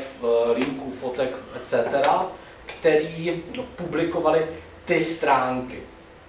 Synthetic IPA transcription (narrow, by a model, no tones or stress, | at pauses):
fɾiŋkufot̪ɛkɛt͡sɛt̪ɛɾa | kt̪ɛɾiːpublɪko̞valɪ | t̪ɪst̪ɾaːŋkɪ̰